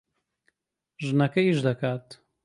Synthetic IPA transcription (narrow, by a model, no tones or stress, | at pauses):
ʒɨnɐkɐiʃd̪ɐkaːt̪